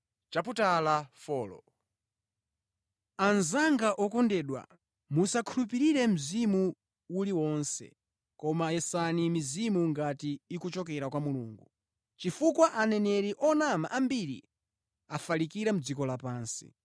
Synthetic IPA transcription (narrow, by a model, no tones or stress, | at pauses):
t͡ʃaputalafɔːlɔ̰ | anzaŋɡaʔɔkɔndɛːɗwa̰ | musakʰulupiɾiɾɛm̩zimu | uliwɔnsɛ̰ | kɔmajɛsanimizimuŋɡatiːkut͡ʃɔkɛɾakwamulṵːŋɡṵ | t͡ʃifukwaʔanɛnɛɾiʔɔnamaʔambiɾḭ | afalikiɾam̩d͡zikɔlapaːnsḭ